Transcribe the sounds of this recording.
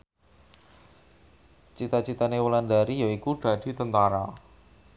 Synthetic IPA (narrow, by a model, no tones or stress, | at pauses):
t͡ʃit̪at͡ʃit̪anewəland̪aɾijaikuɖ̪̥a̤d̪̥i̤t̪ənt̪aɾa